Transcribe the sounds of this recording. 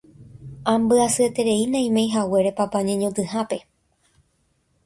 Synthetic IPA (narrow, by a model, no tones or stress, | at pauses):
ãmbɨasɨet̪e̞ɾe̞inãĩmẽjɦawe̞ɾe̞papaɲẽɲõt̪ɨhape̞